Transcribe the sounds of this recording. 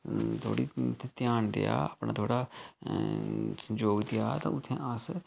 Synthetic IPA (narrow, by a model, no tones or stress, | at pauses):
t̪ʰo̰ːɽiːt̪ʰːẽːt̪ɪjaːnd̪ɪ̰a̰ːəpɳãːt̪ʰoːɽaː | sə̃d͡ʒoːɡd̪ɪja̰ːt̪ã̰ːʊt̪ʰːḛ̃ːʔəs